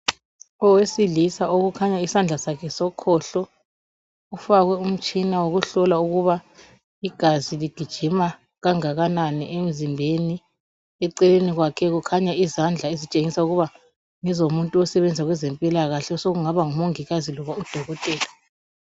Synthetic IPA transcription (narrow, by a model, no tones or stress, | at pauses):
ɔwesilisaoɣukʰaɲaisand͡ɮʱasakʰɛsɔkʰɔɬɔ | ufaɣwɛum̩t͡ʃʼinawoɣuɬɔlauɣuβa | iɡ̥ʱaziliɡ̥ʱid̥ʒ̥ʱima | ɣaŋaɣananiʔem̩zimbʱeni | ɛǀɛleniɣwakʰɛɣukʰaɲaizand͡ɮʱaezit͡ʃʼeŋisauɣuβa | ŋɛzomuntʼuɔsɛβɛnd͡zʱaɣwɛzɛmpʼilaɣaɬɛsoɣuŋaβaŋumoŋiɣazilɔβaud̥ʱɔɣɔtʼɛːla